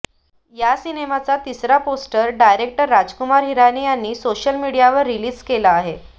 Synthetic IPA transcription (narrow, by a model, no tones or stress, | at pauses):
jasinemat͡sat̪isɾaposʈəɾɖajɾek̚ʈəɾːad͡zkumaɾɦiɾaniːjanːiːsoɕəlmiɽijaʋəɾːiliːd͡zkelaːɦe